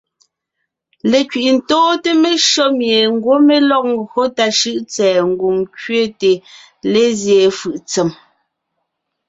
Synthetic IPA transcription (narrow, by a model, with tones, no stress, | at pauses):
le˨kɥi˨ʔn̩˨tɔː˦te˦me˦ʃɔ˦mje˨ŋ˦ɡwo˦me˦lɔ˦k̚ŋ˨ɡo˦ta˨ʃɯ˦ʔt͡sɛː˨ŋ̩˦ɡu˨mkɥe˦te˨ | le˦zje˨fɯ˨ʔt͡se˨m